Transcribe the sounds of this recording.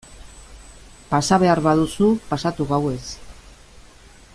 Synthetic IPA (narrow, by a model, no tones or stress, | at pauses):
pasaβe̞aɾβaðusupasat̪uɣawe̞s